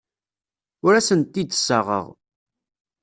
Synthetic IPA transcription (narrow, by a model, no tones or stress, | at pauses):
ʊɾæsənt̪ːid̪sːəʁə̰ʁ